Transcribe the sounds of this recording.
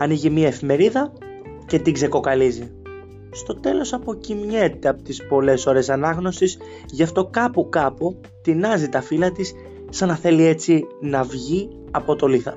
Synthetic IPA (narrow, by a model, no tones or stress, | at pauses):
ɐniʝimiɐe̞fime̞ɾiðɐ | ce̞t̪iŋɡze̞ko̞kɐlizi | st̪o̞t̪e̞lo̞sɐpo̞cimɲe̞t̪e̞ɐpot̪ispo̞le̞so̞ɾe̞sɐnɐɣno̞sis | ʝɐft̪o̞kɐpukɐpu | t̪inɐzit̪ɐfilɐt̪is | sɐnɐθe̞lie̞t͡sinɐvʝi | ɐpo̞t̪o̞liθɐ̰